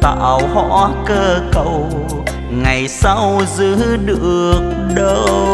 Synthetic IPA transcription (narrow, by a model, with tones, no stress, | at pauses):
t̪a̰˧˨˩whɔ̰˧˥kəː˧kə˧˨˩w | ŋa˨˩jsa˧wzɨ˧˦ɗɨ˧˨˩ək̚ɗə˧